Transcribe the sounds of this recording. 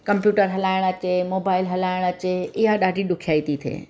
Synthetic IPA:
kəmpjuːʈəɾɦɐlaːɪɽ̃ət͡ʃemoːbaːɪlɦɐlaːɪɽ̃ət͡ʃeɪɦaɗaːɖiɗʊkʰjaːit̪it̪ʰḛː

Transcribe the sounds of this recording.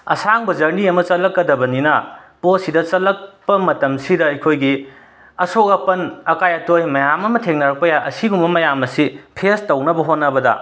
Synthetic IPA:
ɐ̰saŋbɐd͡ʒɐɾniɐmɐt͡ʃɐlːɐkːɐdɐbɐninɐposidɐt͡ʃɐlːɐk̚pɐmɐtɐmsidɐɐjkʰojɡi | ɐsokɐpɐnɐkajɐtojmɐjamɐmɐtʰeŋnɐɾɐk̚pɐjaʔɐsiɡumbɐmɐjamɐsipʰestɐwnɐbɐɦotnɐbɐdɐ̰

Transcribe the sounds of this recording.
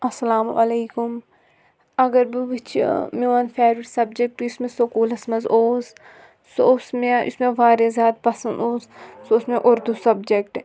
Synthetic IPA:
ɐsɐlaːm̰ʔɐleːkʊm | ɐɡəɾbiʋɪt͡ʃʰmẽʋɐnfeːɾɪʈsɐb̚d͡ʒek̚ʈɪsmẽsokuːlɐsmɐzoːz | soʊsmẽɪ̰smẽʋaːɾezʲjaːt̪̚pɐsɐnd̪oːzsoʊsmẽʔʊɾd̪ʱusɐbd͡ʒekʈ

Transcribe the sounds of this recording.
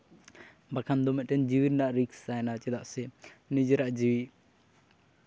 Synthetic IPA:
bakʰand̪ɔmɛtend͡ʒiwiɾnaɾiksajnat͡ʃed̪aʔsenid͡ʒiɾaʔd͡ʒiwi

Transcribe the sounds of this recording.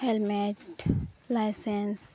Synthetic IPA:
helmeʈlaɪsẽns

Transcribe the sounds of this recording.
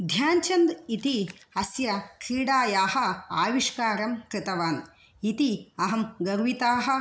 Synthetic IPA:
d̪ʱjaːɲt͡ʃɐnd̪it̪iɐsjɐkɾiːɽaːjaːhɐ̆a̰ːʋiʂkaːɾɐmkɾɨt̪ɐʋaːn | it̪iɐɦɐmɡɐɾʋit̪aːɦɐ̆

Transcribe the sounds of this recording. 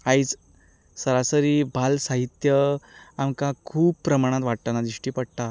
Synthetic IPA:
ait͡s | səɾasəɾiːbʱalsaɦit̪jəamkakʰuːbpːɾəmaɽ̃ãt̪ʋaɽ̚t̪anad͡z̪ɾiʂʈiːpəɽt̪a

